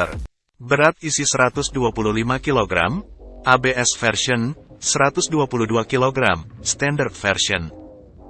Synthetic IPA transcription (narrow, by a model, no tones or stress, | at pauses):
r | bəɾat̪̚isisəɾat̪ʊsduapululimakiloɡɾa̰mʔabeɛsfɛrʃiɔnsəɾat̪ʊsduapuluduakiloɡɾa̰mst̪ɛndərd̪̚fɛrʃiɔn